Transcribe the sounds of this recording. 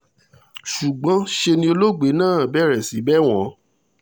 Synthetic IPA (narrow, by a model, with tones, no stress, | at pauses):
ʃu˨ɡ͡bɔ̃˨˦ʃe˧nĩ˧˦o˧lo˦ɡ͡be˨˦nãː˦˨bɛ˦˨ɾɛ˨si˨˦bɛ˦w̃ɔ̃˨˦